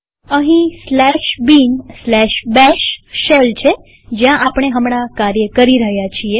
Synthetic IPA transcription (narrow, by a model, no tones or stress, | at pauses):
ə̃ɦĩslɛʃbinslɛʃbɛʃːelt͡ʃʰe | d͡ʒjãʔapɳ̃eɦəmɳ̃akaɾjəkəɾiɾəɦjat͡ʃʰie